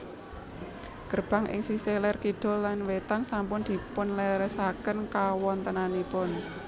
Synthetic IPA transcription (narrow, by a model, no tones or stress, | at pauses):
ɡ̥ərb̥a̤ŋʔɪ̰ŋsiselɛrkiɖ̪̥ɔ̤lːanwet̪ansampʊnd̪̥i̤pʊnlɛɾɛsakənkawɔnt̪ənanipʊn